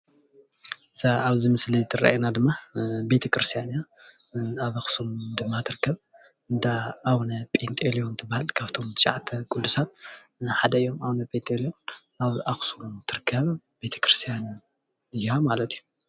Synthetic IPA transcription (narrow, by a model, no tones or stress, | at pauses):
saaβzimɨslit̪ʰɨɾa̰jnad̪ɨmːabe̞t̪ʰɐkɾɨst̪ʰijanja | aβaxsumd̪ɨmːat̪ʰɨɾɨkʰːɐβ | ɨnd̪aːwnɐpʼent̪ʼelijo̞nt̪ʰɨbahɨlkʰaβt̪ʰo̞mt͡ʃʼa̰ʕt̪ʰɐkʼulːusat̪̚ | ħad̪ɐɨjːo̞mawnɐpʼent̪ʼelijo̞n | aβʔaxsumt̪ʰɨɾɨkʰːɐβ | b̥e̞t̪ʰɐ̥kɾɨst̪ʰijan | ɨjhamalɐt̪ʰiju